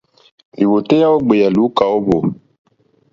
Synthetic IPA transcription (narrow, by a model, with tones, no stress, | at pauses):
li˨wo˨te˦ja˦o˦ɡ͡be˨ja˨lu˨˦ka˨o˦bo˨